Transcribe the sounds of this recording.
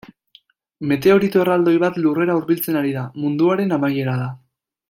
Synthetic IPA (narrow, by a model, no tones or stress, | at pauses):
me̞t̪e̞o̞ɾit̪orald̪o̞jβat̪lure̞ɾauɾβilt͡se̞naɾiðamund̪uaɾe̞namaje̞ɾaða